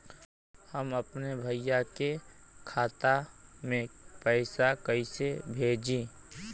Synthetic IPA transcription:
həməpnebʱəijake | kʰaːt̪amẽpɛːsakəisebʱeːd͡ʒĩː

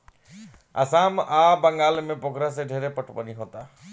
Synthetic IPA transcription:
ə̰samabəŋɡalmẽpokɾaseɖʱeɾepəʈʰpəniɦoːt̪a

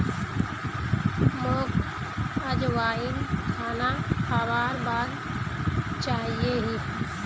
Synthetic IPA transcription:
moːk | əd͡ʒʋaːiːnkʰaːnaxaːʋaːɾbaːd̪ | t͡ʃaːɦieɦiː

